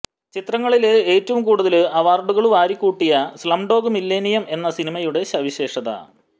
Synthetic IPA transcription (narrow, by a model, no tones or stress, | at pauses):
t͡ɕit̪rɐŋːɐɭile̞ːtːɐʋumkuːɽuðɐlɨʔɐʋaːrɖuɣɐɭuʋaːɾikːuːʈːijɐslɐmɖo̞ːɡumilːeːnijɐme̞nːɐsinimɐjuɽe̞ɕɐʋiɕe̞ːʂɐða̰